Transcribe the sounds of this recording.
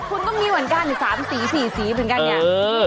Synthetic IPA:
kʰu˧nt̪ɔ˥˩ŋmiː˧wa˨˩˦nkaː˧˩˨ni˨˩saː˩˦msiː˩˦siː˨˩siː˨˩˦mɤ˨˩˦nka˧˨nɲaː˧˩˧

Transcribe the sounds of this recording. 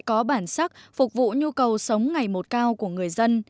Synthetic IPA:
jkɔ˨˦ɓaː˧˩nsa˦˥k̚fʊ˨˩k͡p̚vṵ˧˨ɲu˧kə˨˩wsə˨˦wŋ͡mŋa˨˩jmo˨˩t̚kaː˧wku˧˩əŋɨ˨˩əjzə˧n

